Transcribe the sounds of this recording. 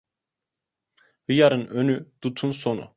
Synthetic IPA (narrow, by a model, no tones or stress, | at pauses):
hɯjaɾɯnønyd̪̥ut̪ʰunsonṵ